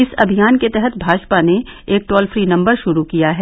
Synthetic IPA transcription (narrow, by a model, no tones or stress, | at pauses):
ɪsɐ̰bʱijaːnket̪ɛɦɛt̪bʱaːd͡ʒpaneeːk̚ʈɔːlfɾiːnɐ̃mbəɾʃʊɾukijaɦɛː